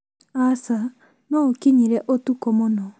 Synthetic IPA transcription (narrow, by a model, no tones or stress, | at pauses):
asa | nɔokiɲiɾɛʔotukɔmonɔ